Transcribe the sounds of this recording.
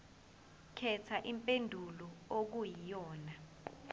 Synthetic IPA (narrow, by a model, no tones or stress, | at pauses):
kʰɛtʰaʔimpʼendʱulɔok̬ujijɔːna